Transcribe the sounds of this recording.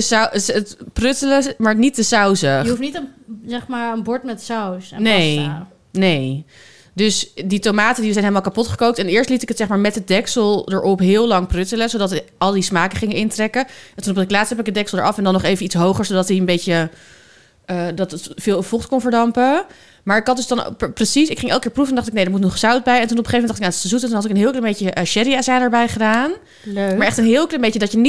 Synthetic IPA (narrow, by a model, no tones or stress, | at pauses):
sətprʏtələmaːɹnitəsœwsəufnitzɛχmaːɹənbɔɹtmɛtsawsnej | nej | dɵsditomaːtəndisɛjnɦeɪləmalˠkapɔtχə̥kowk̚tɛnɪːɹstlitɪkətsɛχmaːɹmɛtədɛksəlˠdəɹʔɔpɦɪːlˠlɑŋprʏtələzowdɑtɑlˠdismaːkəχɪŋənɪntrɛkəɛntunɔptɪklaːtstɦɛpɪkədɛkslˠdə̰ɹʔɑfɛndɑnːɔχejvənitsɦowχəɹsodɑtiənbejcə | ədɑtətfɪːlˠfɔχtkɔnvəɹdɑmpə | maːɹɪkɑt̚dʏsdɑn̰prəsisɪkχɪŋɛlˠkɪːɹprufɛndɑχtɪknejdəɹmutnɔχsɑwt̚bɛjɛntunɔpəχejvmɛndɑχtɪknatsəzutəntunɦɑtɪkənɦɪːlˠkləmbejcəʔʃɛɾiasaːnəɹbɛjχədaːn | lmaːɹɛχtənɦɪːlˠkləmbejədɑəni